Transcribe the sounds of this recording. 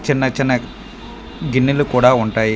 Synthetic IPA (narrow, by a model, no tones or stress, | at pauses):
t͡ʃinːɐt͡ʃinːɐ | ɡinːilukuːɽaːuɳʈaːji